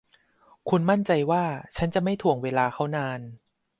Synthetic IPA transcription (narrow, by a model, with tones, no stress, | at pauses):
kʰu˧nma˥˩nt͡ɕa˧jwaː˥˩t͡ɕʰa˦˥nt͡ɕa˨˩ma˥˩jt̪ʰu˨˩əŋweː˧laː˧kʰa˦˥wnaː˧n